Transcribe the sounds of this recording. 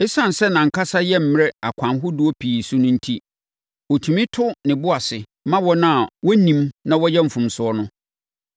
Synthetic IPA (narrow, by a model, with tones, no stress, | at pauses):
ɪ˦sã˦˨n˨sɛ˦nã˨ŋ̩˨kʰa˦sa˦jɛ˦m̩˨m˦ɾɛ˦a˨kʷʰã˨nɦʊ˦dʊ˦ɔ˦pʰi˨sʊ˦nʊ̃˦n̩˦tʰi˦ | o˨tʰũ˨mĩ˦tʰʊ˦nɪ̃˨bʊ˦a˨sɪ˨ | mã˦wɔ˦nã˦˨wɔ˦nĩ˨mnã˦wɔ˦jɛ˦m̩˨fũ˨msʊ˨ɔ˦nʊ̃˦